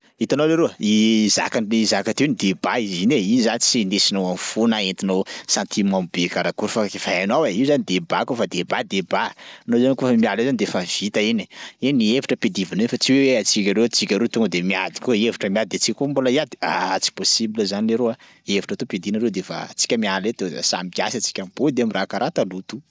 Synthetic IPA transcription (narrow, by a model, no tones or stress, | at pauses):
it̪anoleɾoiza̰kaizakat̪ewnid̪ebaizineinzanit͡sinesinowamfunaent̪inosãnt̪imambekaɾakuɾfakifaanaweiuzanid̪ebakufad̪ebad̪ebanozanikofəmialezanid̪eefav̥it̪aini̥inievaʈ͡ʂəped̪ivinefat͡siweweat͡sikʲaɾewet͡sikʲaɾet̪uŋɡəd̪emiad̪i̥koevaʈ͡ʂəmialid̪et͡sikakomboliad̪iaat͡si̥posibiləzaneɾoa | evaʈ͡ʂat̪oped̪inaɾewd̪efa̰t͡si̥kʲəmialet̪ea̰sa̰mikʲasat͡si̥kʲamb̥od̪eamirakaɾat̪alut̪u̥